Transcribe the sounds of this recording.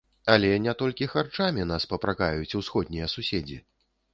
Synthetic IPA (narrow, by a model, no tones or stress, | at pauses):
alʲɛnʲɛt̪ɔlʲkʲixart͡ʂamʲinaspɐpɾakajut͡sʲuwsxɔd̪ʲnʲijɐsusʲed͡zʲḭ